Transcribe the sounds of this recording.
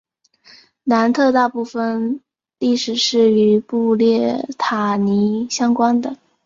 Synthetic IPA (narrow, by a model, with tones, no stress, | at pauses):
na˧˥nt̪ʰɤ˥˧t̪a˥˧pu˥˩fə˨˩n | li˥˩ʂɻ̩˨˩ʂɻ̩˥˩y˧˥pu˥˧ljɛ˥˩t̪ʰa˨˩ni˧˥ɕjɑ˥ŋkwa˥nd̪ə˨